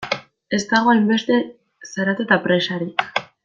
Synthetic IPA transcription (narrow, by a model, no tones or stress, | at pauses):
e̞st̪aɣ̞o̞ajmbe̞st̪e̞ | saɾat̪et̪apɾe̞saɾik